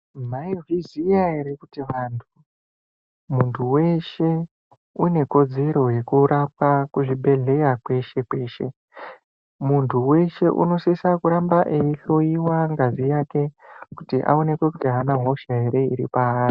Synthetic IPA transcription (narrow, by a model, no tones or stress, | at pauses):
maivizijaɦeɾekutiʋantʰu | muntʰuwe̞ʃe̞ | une̞ko̞d͡ze̞ɾo̞je̞kuɾap̚akuʐiɓe̞ɮe̞jakwe̞ʃe̞kwe̞ːʃe̞̰ | muntʰuwe̞ʃe̞ʔṵno̞sisakuɾambaʔeiɬo̞iwaŋɡazijaːke̞kutiʔa̰o̞ne̞kwe̞kutiɦanaɦoʃaɦe̞ɾe̞ḭɾḭpaːri